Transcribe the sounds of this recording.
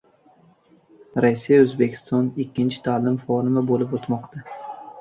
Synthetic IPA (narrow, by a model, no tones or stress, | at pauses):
ɾasːijaɵzbe̞kʲʰɪ̥st̪ɒnɪkʲːɪnt͡ʃʰɪ̥t̪ʰaːlɪmfɒɾɪmabolɪpot̪mɒqt̪ʰa